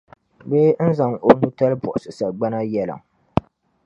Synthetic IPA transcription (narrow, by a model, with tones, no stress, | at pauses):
be˦n̩˦za˨ŋo˨nu˦ta˦lbɔ̰˨ʔʊ˨sɨ˨sa˨ɡ͡ba˦na˦jɛ˦lɨ̰˨ŋ